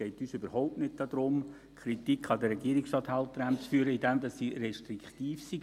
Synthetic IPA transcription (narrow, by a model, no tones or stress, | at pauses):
ɛɪtyːsøbəɾhɔʊp̚tnɪt̚d̥ɑd̪ɾʊm | kʰχɾit̪ikʰɑdəɾːɛɡiəɾɪksɑt̪halt̪əɾæmt͡sfyːəɾəidɛmdɑsːiːɾɛʃtɾikχt̪iːfsi